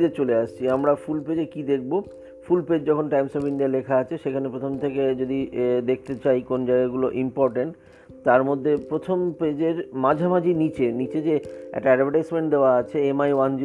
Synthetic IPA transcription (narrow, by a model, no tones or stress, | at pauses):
d͡ʑet͡ɕoleaʃt͡ɕʰiamɾafulped͡ʑekid̪ek̚ʰbo | fulped͡ʑd͡ʑɔkʰonʈajmsobiɳɖialekʰaat͡ɕʰeʃekʰanepɾot̪ʰomt̪ʰeked͡ʑod̪id̪ek̚ʰt̪et͡ɕajkond͡ʑaɡaɡuloʔimpɔɾʈeɳʈ | t̪aɾmod̪ʱːepɾot̪ʰomped͡ʑeɾmad͡ʑʱamad͡ʑinit͡ɕenit͡ɕed͡ʑeɛ̰k̚ʈaɛɖbʱaʈajsmeɳʈd̪eoaat͡ɕʰeemajwand͡ʑ